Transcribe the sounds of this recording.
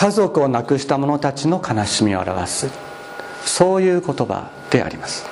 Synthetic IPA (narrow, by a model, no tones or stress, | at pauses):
kazo̞kɯ̟o̞nakɯ̟ɕi̥t̪amo̞no̞t̪at͡ɕino̞kʰanaɕimʲio̞a̰ɾa̰βa̰sɨ | so̞ːjɯ̟ːko̞t̪o̞ba̰ | d̪̥e̞ʔa̰ɾʲimasɨ̥